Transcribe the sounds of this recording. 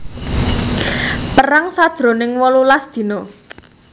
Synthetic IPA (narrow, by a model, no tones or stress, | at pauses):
pəɾaŋsad̥ʒ̥ɾo̤nɪŋwɔlulasd̪̥i̤no